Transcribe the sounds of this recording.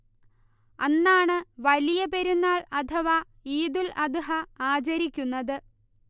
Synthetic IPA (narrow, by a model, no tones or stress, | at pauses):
ɐnːaːɳɨʋɐlijɐpe̞ɾunːaːɭɐt̪ʰɐʋa | iːd̪ulɐd̪ɨɦɐaːt͡ɕɐɾikʲːunːɐðɨ